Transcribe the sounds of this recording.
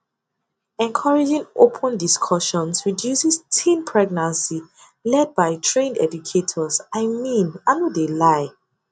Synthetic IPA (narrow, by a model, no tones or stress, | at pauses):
ɛ̃nkʰɔɹid͡ʒĩŋopʰə̃ndiskʰɔʃɔ̃nsɹidjusɛstʰĩmpʰɹɛɡ̚nãnsi | lɛd̚baɪtʰɹẽndɛ̰d͡ʒukʰetʰɔsaɪmĩnanodelaɪ